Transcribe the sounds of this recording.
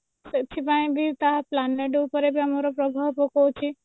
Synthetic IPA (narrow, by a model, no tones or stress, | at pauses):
set͡ʃ̪ʰibãĩbʱit̪aplanleʈupəɾebʱiɐmaɾopɾɔbʱaʋpɔkot͡ʃʰi